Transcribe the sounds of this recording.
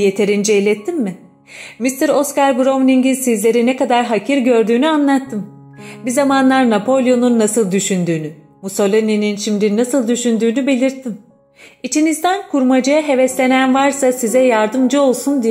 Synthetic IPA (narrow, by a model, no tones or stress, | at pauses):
je̞t̪ʰe̞ɾind͡ʒejlʲɛt̪ʰːimːɪ | mist̪ʰiɾo̞skaɾbɾo̞mnʲiɲɟinsizlʲe̞ɾinɛkad̪aɾɦacʰiɾɟø̞ɾd̪yːnyanlˠat̪ʰːɯm | bizamanlˠaɾnapʰo̞lʲjo̞nunːasɯlˠd̪yʃynd̪yːny | muso̞lʲinininʃimd̪inːasɯlˠd̪yʃynd̪yːnybe̞lʲiɾt̪ʰːim | it͡ʃʰinizd̪ænkʰuɾmad͡ʒaaɦe̞vɛslʲe̞nænvaɾsasizɛjaɾd̪ɯmd͡ʒɯo̞lˠsund̪i